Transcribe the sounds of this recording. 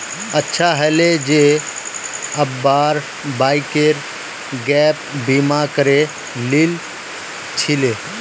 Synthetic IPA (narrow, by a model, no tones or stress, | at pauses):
ətːʃʰaɦɛled͡ʒe | əbbaːɾ | baːikeɾ | ɡɛːpbiːmakəɾe | lil | t͡ʃʰɪleː